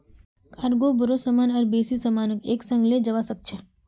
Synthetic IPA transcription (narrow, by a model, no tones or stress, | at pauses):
kaɾɡobʱəɾosəmanəɾbesisəmanəkeksəŋɡled͡ʒəʋasək̚t͡ʃʰe